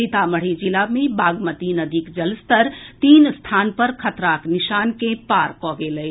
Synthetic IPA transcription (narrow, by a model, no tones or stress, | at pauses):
it̪aməɽ̤id͡ʒilaːmẽbaːɡmət̪inəd̪ʱikd͡ʒəlst̪əɾt̪iːnst̪ʰaːnpəɾkʰɐt̪ɾaːknɪʃaːnkẽpaːɾkɔːɡeːləj